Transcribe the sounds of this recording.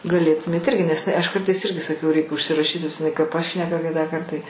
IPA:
ɡɐˈlʲeːtʊmʲeːt ˈɪrʲɡʲɪ nʲɛs ɪˈnɐɪ ɐʃ ˈkɐrtɐɪs ˈɪrʲɡʲɪ sɐˈkɐʊ rʲɛɪk ʊʃʲsʲɪrɐˈʃʲiːt nʲɛs ɪˈnɐɪ ˈkɐɪ ˈpɑːʃʲnʲɛkɐ ˈkʲɪtɑːˌkɐrt ˈtɐɪ

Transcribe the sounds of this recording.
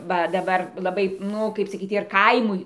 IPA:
ˈʋɐ dɐˈbɐr lˠɐˈbɐɪ ˈnʊ ˈkɐɪp sɐˈkʲiːt ɪr ˈkɐɪmʊɪ

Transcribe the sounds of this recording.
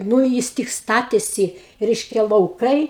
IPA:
nuː ˈjɪs tʲɪk ˈstɑːtʲeːsʲɪ ˈrʲɛɪʃʲkʲɛ lˠɐʊˈkɐɪ

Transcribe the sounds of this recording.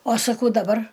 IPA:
oː sɐˈkɐʊ dɐˈbɐr

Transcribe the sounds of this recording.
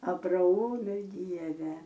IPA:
ɐbrɐˈoːmʲɪ ˈdʲiɛʋʲɛ

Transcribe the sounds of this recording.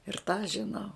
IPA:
ɪr tɑː ʒʲɪˈnɐʊ

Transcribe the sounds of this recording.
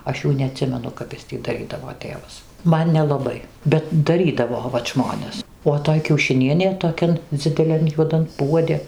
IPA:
ˈɐʃ ˈjuː nʲɛɐˈtʲsʲɪmʲɛnʊ kɐp ˈɪs tʲiː dɐˈrʲiːdɐʋoː ˈtʲeːʋɐs ˈmɐn nʲɛlˠɐˈbɐɪ bʲɛt dɐˈrʲiːdɐʋoː ʋɐt ˈʒmoːnʲɛs oː ˈtoːj kʲɛʊʃʲɪˈnʲiɛnʲeː toːˈkʲɛn d͡zʲɪdʲɛˈlʲɛn juɔˈdɐn ˈpuɔdʲɪ

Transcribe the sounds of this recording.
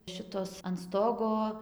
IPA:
ˈʃʲɪtoːs ɐn ˈstoːɡoː

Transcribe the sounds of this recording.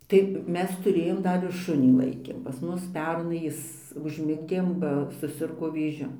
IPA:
tɐɪ ˈmʲɛs tʊˈrʲeːjoːm ˈdɐr ɪr ˈʃʊnʲiː ˈlˠɐɪkʲeːm pɐs ˈmʊs ˈpʲɛrnɐɪ ˈjɪs ʊʒʲˈmʲɪɡdʲeːm bɐ sʊˈsʲɪrɡoː ʋʲeːˈʒʲʊ

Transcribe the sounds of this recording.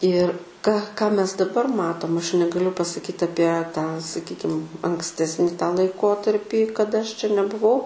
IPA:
ɪr kɐ kɑː mʲɛs dɐˈbɐr ˈmɑːtoːm ɐʃ nʲɛɡɐˈlʲʊ pɐsɐˈkʲiːt ɐˈpʲiɛ tɑː sɐˈkʲiːkʲɪm ɐŋksʲˈtʲæːsʲnʲɪ tɑː lˠɐɪˈkoːtɐrʲpʲiː kɐˈdɐ ɐʃ t͡ʃʲɛ nʲɛbʊˈʋɐʊ

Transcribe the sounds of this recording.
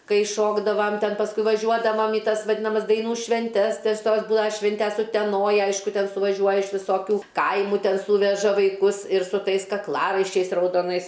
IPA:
ˈkɐɪ ˈʃoːɡdɐʋɐm ˈtʲɛn pɐsˈkʊɪ ʋɐˈʒʲuɔdɐʋɐm iː ˈtɐs ʋɐˈdʲɪnɐmɐs dɐɪˈnuː ʃʲʋʲɛnʲˈtʲɛs tʲɛs ˈtoːs ˈbʊlˠɐ ˈʃʲʋʲɪnʲtʲɛs ʊtʲɛˈnoːj ˈɐɪʃkʊ ˈtʲɛn sʊʋɐˈʒʲuɔjɛ ɪʃ ʋʲɪˈsoːkʲuː ˈkɐɪmʊ ˈtʲɛn ˈsuːʋʲɛʒɐ ʋɐɪˈkʊs ɪr sʊ ˈtɐɪs kɐkˈlˠɑːrɐɪʃʲt͡ʃʲɛɪs rɐʊdoːˈnɐɪs

